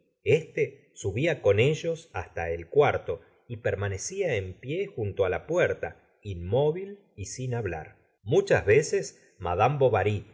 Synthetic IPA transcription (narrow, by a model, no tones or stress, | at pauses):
e̞st̪e | suβiako̞ne̞ʒo̞sast̪aelkwaɾt̪o̞ | ipeɾmane̞siaempje̞xunt̪oalapweɾt̪a | inmo̞βil | isinaβla̰ɾ | mut͡ʃazβeses | ma̰ðambo̞βaɾi